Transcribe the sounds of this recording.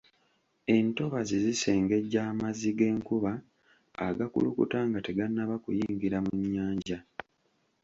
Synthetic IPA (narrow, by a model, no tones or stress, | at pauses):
e̞nto̞βazezise̞ːŋɡe̞ɟːaːmaziɡe̞ːŋkuβa̰ː | ɡakṵlṵkṵtaːŋɡate̞ɡanːaβakujiːŋɡiɾamuɲːaːɲɟa